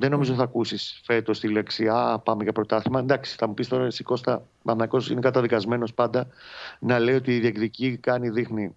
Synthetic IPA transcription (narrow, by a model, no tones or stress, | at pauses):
ðe̞no̞mizot̪iθɐkusisfe̞t̪o̞st̪ile̞ksiɐpɐmeʝɐpɾot̪ɐθimɐend̪ɐksi̥θɐmupist̪o̞ɾɐisiko̞st̪ɐ | mɐθnɐko̞sinekɐt̪ɐðikɐzme̞no̞spɐnd̪ɐnɐle̞io̞t̪iːðiekticikɐniðixni